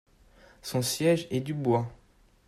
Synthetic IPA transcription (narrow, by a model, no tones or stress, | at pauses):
sɔ̃sjɛʒɛd̪ybwa